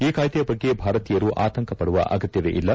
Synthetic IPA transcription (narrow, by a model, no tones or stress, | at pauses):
iːkaːjt̪ɐjɐbɐɡːe̞bʱaːɾɐt̪iːjɐɾuʔaːt̪ɐŋkʰɐpɐɽuʋɐ̰ʔa̰ːɡɐt̪jɐd̪ḛʔilːɐ